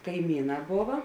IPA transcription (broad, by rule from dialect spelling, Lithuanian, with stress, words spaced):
kɐɪˈmʲiːˌnɑː ˈboːʋɐ